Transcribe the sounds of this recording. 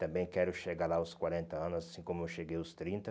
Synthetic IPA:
t̪ɐ̃mbẽj̃kɛɾʊʃeɡalaʊskwaɾẽnt̪ɐɐ̃nʊzsasĩkõmʊewʃeɡejʊst̪ɾĩnt̪ɐ

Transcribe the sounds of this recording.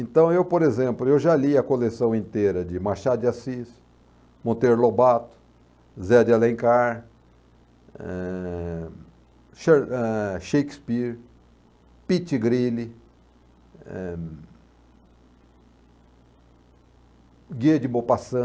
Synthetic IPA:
ẽnt̪ɐ̃w̃ewpoɾezẽmplʊewʒaliɐkolesɐ̃w̃ẽnt̪eɾɐd͡ʒɪmaʃad̪ʊɪasis | mõt̪eɾlobat̪ʊ̥ | zɛd͡ʒɪalẽŋkaɾ | ɛ | ʃeɛʃejkspiɾ | pit͡ʃɪɡɾilɪ | ɛ | ɡed͡ʒɪmopasɐ̃

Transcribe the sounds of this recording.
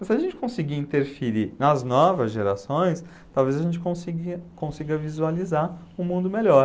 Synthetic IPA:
mɐzsɪaɐʒẽnt͡ʃɪ̥kõsiɡiĩnt̪eɾfiɾinɐznɔvɐzʒeɾa̰sõj̃s | t̪awvezɐʒẽnt͡ʃɪ̥kõsiɡɪkõsiɡɐvizualizaɾ | ʊmũnd̪ʊmeʎɔɾ

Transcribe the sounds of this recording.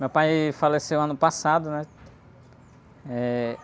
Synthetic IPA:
mewpajfalesewɐ̃nʊpasad̪ʊnɛ | ɛ

